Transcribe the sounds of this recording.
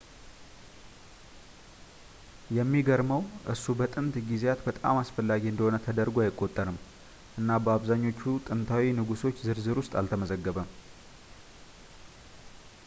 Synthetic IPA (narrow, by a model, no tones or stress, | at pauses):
jɛmːiɡəɾməwʔɨsːubət̪ʼɨnt̪ɡizejat̪bət̪ʼa̰masfəlːaɡiɨnd̪əho̞nət̪ʰəd̪əɾɡuajɪkʼːo̞t̪ʼːəɾɨm | ʔɨnːabəaβzaɲːo̞t͡ʃːut̪ʼɨnt̪ʰawinɨɡuso̞t͡ʃːzɨɾzɨɾwʊst̪ʼa̰lt̪ʰəməzəɡːəβəm